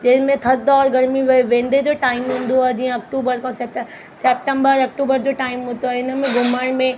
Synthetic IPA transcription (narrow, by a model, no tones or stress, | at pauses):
d͡ʑɐɦɪmẽt̪ʰɐd̪ɔːɾɡɐɾmiʋɐeʋẽːnd̪ed͡ʑoːʈaːɪmɦũːnd̪oaːɦed͡ʑiːə̃ɐk̚ʈuːbəɾkãseʈ | sɛːp̚ʈə̃mbəɾɐk̚ʈuːbəɾd͡ʑoːʈaːɪmɦũːd̪oaɦeɪnə̆mẽɡʱʊməɽ̃mẽ